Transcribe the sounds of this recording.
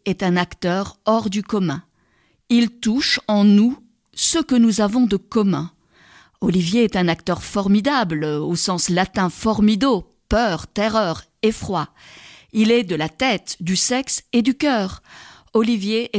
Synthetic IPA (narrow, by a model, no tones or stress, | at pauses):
ɛt̪ɛ̃nakt̪œʁɔʁd̪ykɔmɛ̰̃ | ilt̪uʃɑ̃nu | səkənuzavɔ̃d̪əkɔmɛ̃ | ɔlivjeɛt̪ɛ̃nakt̪œʁfɔʁmid̪ablosɑ̃slat̪ɛ̃fɔʁmid̪o | pœʁt̪ɛʁœʁ | efχwa | ilɛd̪əlat̪ɛt̪d̪ysɛksed̪ykʲœʁ | ɔlivjeʔɛ